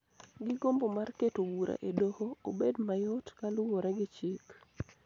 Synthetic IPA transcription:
ɡɪɡombomarketowuɾʔa̰ʔedohoobedmajotkalʊwoɾɛɡɪt͡ʃik

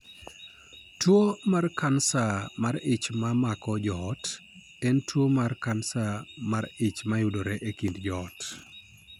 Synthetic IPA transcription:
twomarkansamaɾɪt͡ʃmamakɔd͡ʒɔt | ɛntwomarkansamaɾɪt͡ʃmajʊdoɾɛʔekindd͡ʒɔt

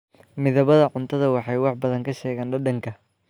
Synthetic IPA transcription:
mɪðɐβɐðɐʕʊnt̪ʰɐðɐwɑħɑjwɑħbɐðɐŋkʰɐʃɛːɣaːnɖɐɖɐŋkʰɐ

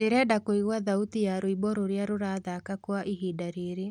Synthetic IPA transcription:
eɾɛdakoiɣwaðautijaɾoibɔɾoɾeaɾoɾaðakakwaʔiɦidaɾeːɾe

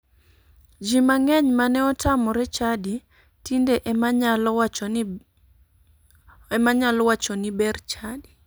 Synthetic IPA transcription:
d͡ʒimaŋɛɲmanɛɔtamɔɾɛt͡ʃadi | tindeʔ | maɲalɔwat͡ʃɔnibɛrt͡ʃadi

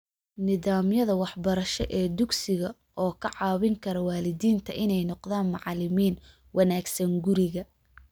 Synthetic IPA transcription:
nɪðaːmjɐðɐwɑħbɐɾɐʃɛ̰ʔɛːd̪ʊɡsɪɣɐ | ʔɔːkʰɐʕɑːβɪŋkʰɐɾɐwaːlɪdiːnt̪ʰɐʔɪnɛjnɔqðaːnmɑʕlɪmiːn | wʔɑnaːɡsɐŋɡʊɾɪɣɐ

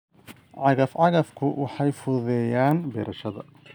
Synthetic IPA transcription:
ʕɑɣɐfʕɑɣɐfkʰʊwɑħɑjfʊðɛjaːnbɛ̰ːɾʔɐʃɐðɐ̰

